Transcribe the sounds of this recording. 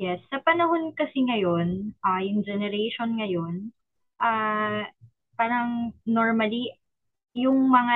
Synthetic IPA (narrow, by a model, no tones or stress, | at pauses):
jɛsːɐpɐnɐho̞nkɐsiŋɐjo̞nʔajʊŋd͡ʒɛnɛɾejʃonŋɐjo̞n | ʔaː | paːɾɐŋnoɹmɐli | jʊŋmɐŋa